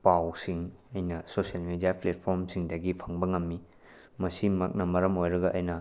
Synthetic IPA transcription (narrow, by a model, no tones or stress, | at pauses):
pawsiŋɐjnɐsosiɐlmedijaplet̚pʰoɾmsiŋdɐɡipʰɐŋbɐŋɐmːi | mɐsimɐk̚nɐmɐɾɐmojɾɐɡɐʔɐjnɐ